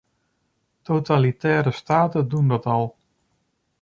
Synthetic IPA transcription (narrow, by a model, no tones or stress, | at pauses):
tʰotalitɛːɾəstaːtədundɔtɔlˠ